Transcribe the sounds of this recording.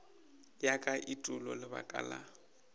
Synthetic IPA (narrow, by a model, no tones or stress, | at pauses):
jakʼaʔitʼʊlɔlɪba̰kʼa̰la̰